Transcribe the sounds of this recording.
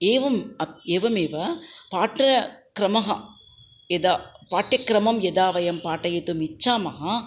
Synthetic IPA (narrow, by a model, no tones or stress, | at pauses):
eːʋɐmɐeːʋɐmeːʋɐpaːʈɾɐkɾɐmɐɦɐ | jɛd̪aːpaːʈɾjɐkːɾɐmɐmjɐd̪aːʋɐjɐmpaːʈːɐjɐt̪ɯmɪt͡ʃːaːmɐɦɐ